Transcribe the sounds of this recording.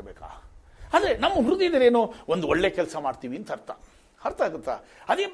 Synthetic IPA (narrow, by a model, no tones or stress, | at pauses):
beːka̰ː | ɐd̪ɾenɐmːɐɦɾud̪id̪ɐɾeːnuːond̪uoɭːekɛlsɐmaːɖt̪iːʋiːnt̪ɐɐɾt̪a̰ | ɐɾt̪aːɡut̪ːa̰ | ɐd̪eː